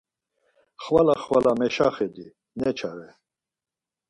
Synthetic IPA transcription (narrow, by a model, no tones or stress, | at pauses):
χvalaχvalamɛʃaχɛd̪i | nɛt͡ʃʰaɾɛ